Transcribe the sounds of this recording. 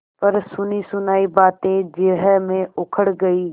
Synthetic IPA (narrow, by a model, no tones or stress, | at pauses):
pɐɾsʊnisʊnaːibaːt̪ẽd͡ʒɪɦəmẽʊkʰəɽɡɐiː